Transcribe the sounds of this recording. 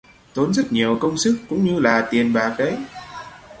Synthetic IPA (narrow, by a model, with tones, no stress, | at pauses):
t̪o˨˦nzə˦˥t̚ɲi˨˩əwkə˧wŋ͡msɨ˦˥kːʊ̰˧˥ŋ͡mɲɨ˧laː˨˩t̪i˨˩ənɓaː˨˩k̚ɗə˨˦j